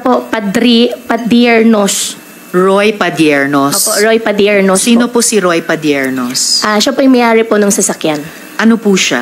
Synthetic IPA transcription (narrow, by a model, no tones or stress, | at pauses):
popɐd̪ɾipɐd̪jɛɹnos | ɹojpɐd̪jɛɹnoʔoːspoʔɹojpɐd̪jɛɹnossiːnoposiɾojpɐd̪jɛɹnosʔaʃɐpoʔɐjmɐjʔaːɾɪponʊŋsɐsɐkjan | ʔɐnopuʃa